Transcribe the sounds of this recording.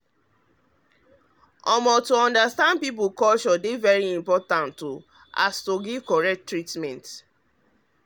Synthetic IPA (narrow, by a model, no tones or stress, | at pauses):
ɔmɔtuɔ̃ndastãndpip̬ukɔlʃɔdevɛɹiĩmpɔtãntːu | a̰stoɡivkɔɹɛk̚tːɹitmɛ̃nt